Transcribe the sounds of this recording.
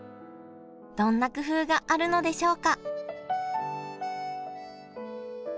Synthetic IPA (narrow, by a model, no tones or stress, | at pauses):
d̪̥õ̞nːakɯ̟ɸɯ̟ːɡaʔaɾɯ̟no̞d̪e̞ɕo̞ːka